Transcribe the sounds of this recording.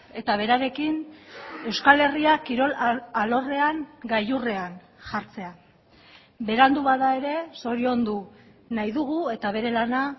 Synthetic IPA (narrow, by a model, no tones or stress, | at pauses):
e̞t̪aβ̞e̞ɾaɾe̞kine̞wskale̞riakiɾo̞lalo̞re̞aŋɡajure̞an | ʝaɾt͡se̞a | be̞ɾand̪uβaðae̞ɾe̞so̞ɾio̞nd̪u | najðuɣue̞t̪aβ̞e̞ɾe̞lana